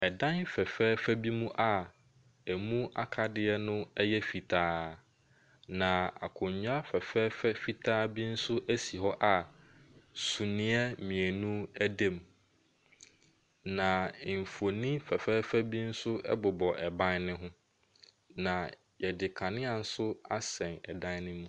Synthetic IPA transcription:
ɛ˨dã˦nfɛ˨fɛː˦fæ˦bi˦mũ˦ʔa˨ | æ˨mũ˦a̰˦kʰa˨dɪ˦ɛ˦nʊ̃˦ɛ˦jɛ˦fi˨tʰaː˦ | nã˨a̰˨kʰʊ̃˨ɲʊ̃˦a˦fɛ˨fɛː˦fɛ˦fi˨tʰaː˦bi˦n̩˦sʊ˦ʔæ˦si˨ɦɔ˦ʔa˨ | su˨nɪ̃˦ɛ˦mĩ˨e˨nũ˦æ˦dẽ˦˨m | nã˨m̩˨fo˨nĩ˦fɛ˨fɛː˦fæ˦bi˦n̩˦sʊ˦ɛ̰˦bʊ˨bɔ˨ʔɛ˨bã˦nnɪ̃˦ɦʊ̃˦ | nã˨ | jɛ˨dɪ˨kʰa˨nɪ̃˦a˨n̩˦sʊ˦a˦sɛ̃˨nɛ˨dã˦nnɪ̃˦mũ˦

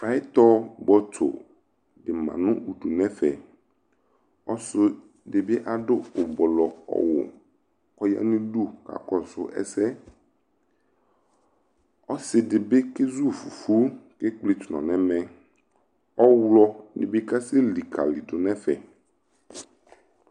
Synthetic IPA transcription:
fa˨˦ɪ˦t̪ɔ˦bɔ˦t̪ʰʊ̰˨ | dɪ˨mã̰˨nʊ̃˦u˨du˨nɛ̃˦fɛ˨ | ɔ˦sʊ˦ | dɪ˨bɪ˦ʔa˨dʊ˦ʊ˨bɔ˨lɔ˨ɔ̰˨wʊ̰˨ | kɔ˦ja̰˦nɪ̃˦du˦ka̰˨kɔ˨sʊ˦ʔɛ̰˦sɛ˦ | ɔ˦sɪ˨dɪ˨bɪ˦kɪ˦zu˦˨fu˨fu˦kɪ˦k͡pli˨t̪ʊ˨nɔ̰̃˨nɛ̃˨˦mɛ̃˦ | ɔ˦wlɔ˦nɪ̰̃˨bɪ˦ka˦sɪ˦li˨kʰa̰˨li˨dʊ˨nɛ̃˦fɛ̰˨

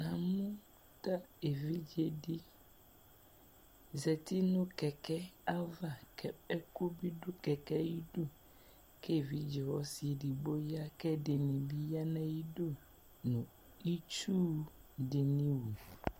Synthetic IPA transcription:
nã˨mũ˦ | t̪a˦e˨vi˦d͡ʒe˦ɖi˦ | zɛ˨t̪i˦nũ˦kɛ˨kɛ˦a˦va˦˨kʰɛ˦ɛ˦ku˦bi˦ɖu˦kɛ˨kɛ˦ji˦ɖu˦ | kʰe˦˨vi˦d͡ʒɛ˨wɔ˦si˨e˨ɖi˨bo˦ja˦kɛ˦de˨nĩ˨bi˦ja˦nã˦ji˦ɖo˦ | nũ˨ | i˦t͡ʃuː˦ɖe˨nĩ˦wu˨

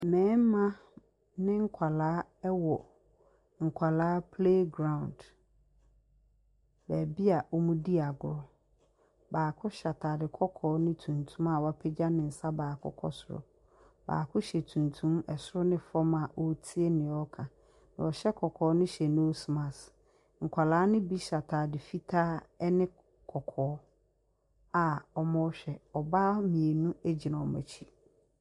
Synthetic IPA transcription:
mɛ̃ː˨˦m˦mã˦ | nɪ̃˦ŋ̩˦kʷʰa˨laː˦ɛ˦wɔ˨ | ŋ̩˨kʷʰa˨laː˦pʰle˦ɡɾã˨ʊ̃˨nd | bæ˨bi˦a˨wɔ˦mũ˦di˦a˨ɡʊ˨˦ɔ˦ | baː˨kʰʊ˦ɕa˨tʰaː˨dɪ˨kʰɔ˦kʰɔː˨˦nɪ̃˦tʰũ˨ntʰũ˦ma˨wa˦pʰɪ˦d͡ʑa˦nɪ̃˨n̩˨sa˦baː˨kʰʊ̰˦kʰɔ̰˦sʊ˨ɾɔ̰˨ | ba̰ː˨kʰʊ˦ɕɛ˨tʰũ˨ntʰũ˦mɛ˨sʊ˦ɾʊ˦nɪ̃˨fɔ˦ma˨ʔo˦tʰi˦e˦nɪ̃˨ɔ˦kʰã˨ | nã˨wɔ˨ɕɛ˦kʰɔ˨kʰɔː˨˦nɪ̃˦ɕɛ˨no˦o˦su˨mã˨s | ŋ̩˨kʷʰa˨laː˨˦nɪ̃˦bi˦ɕa˨tʰaː˨dɪ˨fi˦tʰa˦ɛ˦nɪ̃˦ | kʰɔ˨kʰɔː˨˦ | a˨ɔ˨mɔ̃˦ɕᶣɛ˨ɔ˨baː˦mĩ˨e˨nũ˦æ˦d͡ʑi˨nã˨ɔ˨mæ̰˨t͡ɕʰi˦

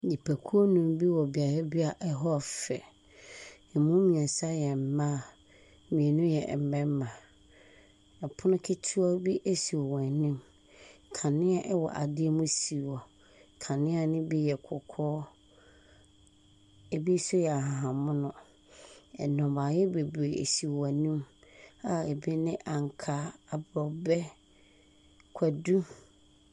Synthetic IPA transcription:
di˨pʰæ˨kʰu˦o˦nũ˨m˦bi˦wɔ˨bi˨a˨ɾa˦bi˦a˨ʔɛ˦ɦɔ˦˨fɛ̰˨ | ɛ˨mũ˦mĩ˨ɛ̃˨sa˦jɛ˨m̩˨mã˦˨ | mĩ˨e˨nʊ̃˦jɛ˨m̩˨bɛ̃˦m˦mã˨ | ɛ˨pʰʊ˦nʊ̃˦kʰe˦tʰu˦ɔ˦bi˦ʔe˦si˨ɔ˨wɔ̃˨nĩ˦m | kʰã˨nɪ̃˦a˦ʔɛ˦wɔ̰˨ʔa̰˨dɪ˦ɛ˦mʊ̃˦si˨wɔ˨ | kʰã˨nɪ̃˦a˦nɪ̃˦bi˦jɛ˨kʰɔ˨kʰɔː˦ | e˨bi˦sʊ˦jɛ˨a˨ɦã˨ɦã˨mʊ̃˦nʊ̃˨ | ɛ̰˨nɔ̃˨ba˨jɛ˦be˨bu˨e˨ḛ˨si˨wã˨nĩ˦ma˨e˨bi˦nɪ̃˦ʔã˨ŋ˨kʰa˨˦a˨bɾɔ˨bɛ˦ | kʷʰa˨du˦

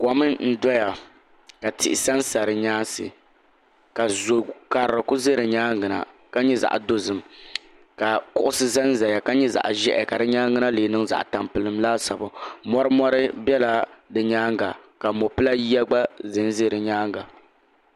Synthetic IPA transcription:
kɔ˨mɨ˦n̩˦dɔ˦ja˨ | ka˨tɪ̰˨ʔɪ˨sa˦n˦sa˨ɾɨ˨ɲaː˦sɨ̰˨ | ka˨zo˨ka˨ɾɾɨ˨kʊ˦ze˦ɾɨ˨ɲaː˦ŋɡɨ˨na̰˨ | ka˦ɲɛ˦za̰˨ʔdo˦zɨ˨m | ka˨kʊ˦ʔʊ˦sɨ˦za˦n˦za˨ja˨ka˦ɲɛ˦za̰˨ʔʒɛ˦ʔɛ̰˨ka˨dɨ˦ɲaː˦ŋɡɨ˦na˦leː˨nɨ˦ŋza̰˨ʔta˨mpɨ˨lɨ˨mlaː˦sa˨bʊ˨mɔ˦ɾɨ˦mɔ˦ɾɨ˦bɛ˦la˨dɨ˨ɲaː˦ŋɡa˨ka˨mo˨pɨ˦la˦jɛ˦ɡ͡ba˦zɨ˨n˦ze˦˨ɾɨ˨ɲaː˦ŋɡa˨

